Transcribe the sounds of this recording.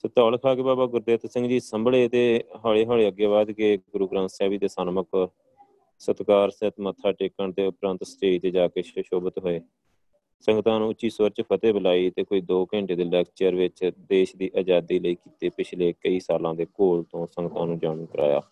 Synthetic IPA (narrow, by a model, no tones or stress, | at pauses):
sɪt̪ɔːlkʰaːkeːbaːbaːɡʊɾd̪eːt̪sɪ̃ŋɡd͡ʒiːsəmbɭeːt̪eːɦaːɭeːɦaːɭeːəɡjaːβaːd̪keːɡʊɾuːɡɾãːnsaːʋiːt̪eːsənmək | sət̪kaːɾsɪt̪mət̪ʰːaːʈɪkːəɳt̪eːʊpɾə̃nt̪sət͡ʃeːiːt̪eːd͡ʒaːkeːʃʃoːbət̪ɦoeː | səŋɡt̪ãːnũːɪt͡ʃːʃiːsʊəɾt͡ʃpʰət̪eːbəlaːiːt̪eːkoːiːd̪oːkə̃ɳʈeːd̪eːlɛːkst͡ʃeːəɾʋɪt͡ʃd̪eːʃd̪iːʔaːd͡ʒaːd̪iːləiːkiːt̪eːpɪt͡ʃʰleːkəiːsaːlãːd̪eːkoːlt̪õːsə̃ŋɡt̪ãːnũːd͡ʒaːmːkəɾʔa̰ːja̰ː